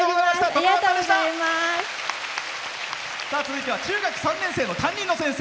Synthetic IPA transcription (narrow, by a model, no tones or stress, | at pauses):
oɡozamaɕt̪ad̪oiat̪oeɕaaaimas | sat͡sɨzɨit̪e̞βat͡ɕɨːɡakɯ̟̥sãnːẽse̞ːno̞t̪ãɲ̟ːĩnːo̞sẽ̞se